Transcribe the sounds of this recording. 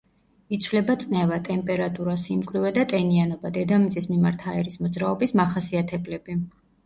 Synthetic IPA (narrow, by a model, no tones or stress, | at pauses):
it̪sʰvlɛbat̪sʼnɛvat̪ʼɛmpʼɛɾat̪ʼuɾasimkʼɾivɛd̪at̪ʼɛnianɔbad̪ɛd̪amit̪ʼismimaɾt̪ʰaɛɾismɔd̪zɾaɔbismaχasiat̪ʰɛblɛbi